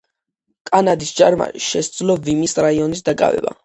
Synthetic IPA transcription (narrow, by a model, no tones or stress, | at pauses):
kʼanad̪isd͡ʒaɾma̰ʃɛsd̪zlɔvimisɾaiɔnis̬d̪akʼa̰vɛ̰ba̰